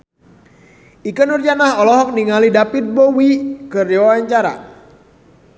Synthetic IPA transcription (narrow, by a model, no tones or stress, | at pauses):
ikənurd͡ʒanahɔlɔɦɔk̚niŋalidapit̪̚bowikɨrɔwaɲt͡ʃaɾa̰